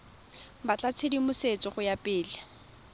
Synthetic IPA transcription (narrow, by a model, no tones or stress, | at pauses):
bat͡ɬʼat͡sʰedimʊset͡sʼɪχʊjapʼɪːlɪ